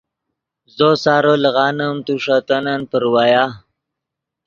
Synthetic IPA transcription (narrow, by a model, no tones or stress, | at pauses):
zosaːɾoləɣɑːnəmt̪uʂat̪ananpəɾwaja